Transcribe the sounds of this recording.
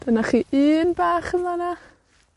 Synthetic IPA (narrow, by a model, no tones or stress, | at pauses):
d̥anaχiːʔiːnbaːχənvana